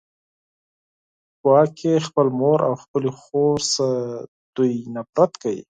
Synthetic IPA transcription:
kwɑkʰexpəlmoɾawxpəlexoɾs | d̪̥ujnapɾat̪kawḭ

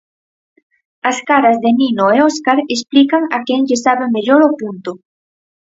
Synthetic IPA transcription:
askaɾazðeninoeoskaɾesplikaŋakeŋʎɪsaβemeʎoɾopunt̪ʊ

